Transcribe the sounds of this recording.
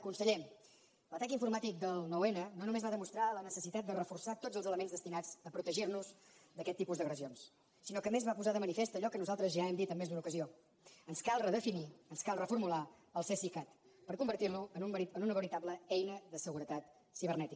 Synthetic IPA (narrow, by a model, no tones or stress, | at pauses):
əkunsəʎem | lət̪akiɱfuɾmat̪ik̚d̪əlˠnowenənonumezβaðəmust̪ɾalənəsəsit̪at̪̚d̪ərəfursat̪odd͡zəlˠzələmenzðəst̪inad͡zəpɾut̪əʒirnuzd̪əkɛt̪ːipuzd̪əɣɾəzions | sinɔkəmezβapuzaðəmənifest̪əʎɔkənuzalˠt̪ɾəzʒaɛmd̪it̪əmːezd̪unəukəzio | ənskalˠrəðəfiniənskalˠrəfuɾmula | əlˠsesikat̪pəɾkumbəɾt̪irnuənumɾiənunəβəɾit̪abləɛjnəðəsəɣuɾət̪at̪ | siβ̞ərnɛt̪ik